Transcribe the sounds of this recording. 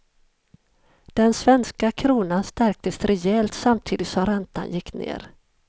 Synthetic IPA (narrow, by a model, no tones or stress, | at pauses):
d̪̥ɛnsvɛnskakʰɾuːnanst̪æɾk̚t̪əsɾɛɛlt̪samt̪ʰiːd̪ɪt̪sɔmɾɛnt̪ʰa̰njɪkːnḛːɾ